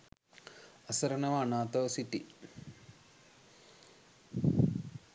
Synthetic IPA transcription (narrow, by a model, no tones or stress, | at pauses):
ɐsɐɾɐnɐʋaːnaːt̪ɐʋsiʈi